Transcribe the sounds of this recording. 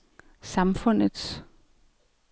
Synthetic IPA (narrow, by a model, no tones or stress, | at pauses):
sɑ̈mfɔn̰əð̥s